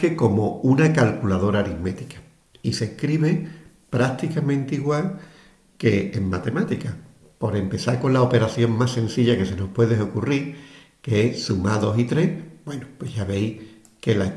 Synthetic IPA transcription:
eko̞mo̞unakalkulaðo̞ɾaːɾime̞t̪i̥kḁ | ise̞hkɾiβe | pɾat̪ikamẽnt̪iɣwal | ke̞ːŋmat̪e̞mat̪ika | po̞ɾe̞mpe̞θaɾko̞nlaope̞ɾaθjo̞ŋmasẽ̞nθiʎake̞se̞no̞hpwe̞ðeo̞kuriɾ | keesumaðo̞sit̪ɾe̞hbwe̞nupwe̞ʝaβe̞j | ke̞la

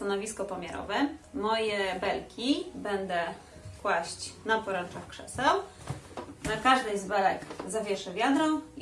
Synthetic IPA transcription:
t̪anɔvʲiskɔpamʲɛɾɔ̰vɛmɔjɛbɛlkʲʰibɛnd̪ɛ | kwaɕt͡ɕnapɔɾɛnt͡ʂaxkʂɛ̰sɛw | akaʐd̪ɘzbɛlɛkzavʲjɛʂɛvʲjad̪ɾɔ̃

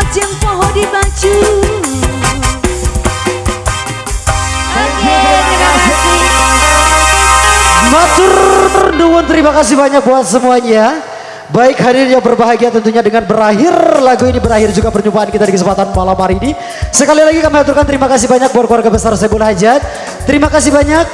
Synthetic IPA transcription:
d͡ʒaŋpɔɦɔdibad͡ʒu | baɡiaa | mat̪ʊrduŋʊnt̪əɾimakas̬ibaɲak̚buat̪̚səmuaɲa | baɪkɦadɪrjaŋbərbaɦaɡiat̪ənt̪uɲadəŋanbəɾaɦɪrlaɡuinibəɾahɪrd͡ʒuɡapərɲupaankit̪adikəsəmpat̪anmalamaɾiːni | səkalilaɡikamiat̪ʊrkant̪əɾimakasibaɲak̚buat̪kuwarɡabəsarsajbulaɦad͡ʒat̪̚ | t̪əɾimakasibaɲak̚

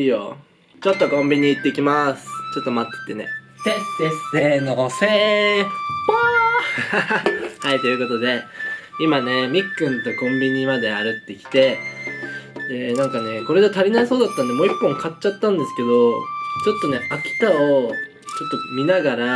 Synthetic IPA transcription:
iːjo̰ | t͡ɕo̞t̪ːo̞kõmbʲiɲ̟iːt̪ːe̞kʲimasɨ̥t͡ɕo̞t̪ːo̞mat̪ːe̥t̪ːe̞ne̞̰ | eesenose | a | hait̪o̞jɯ̟ko̞t̪o̞d̪e̞imane̞mʲikːɯ̟̃nt̪o̞kõ̞mbʲiɲ̟imad̪e̞aɾɯ̟t̪ːe̞kʲi̥t̪e̞ | d̪enãŋkane̞ko̞ɾe̞d̪e̞t̪aɾʲinaiso̞ːd̪at̪ːãnd̪e̞mo̞ːikːõ̞ŋkat͡ɕt͡ɕːat̪ːãnd̪e̞sɨ̥ke̞d̪o̞t͡ɕo̞t̪ːo̞ne̞ʔakʲi̥t̪ao | t͡ɕo̞t̪ːo̞mʲinaɡaɾa

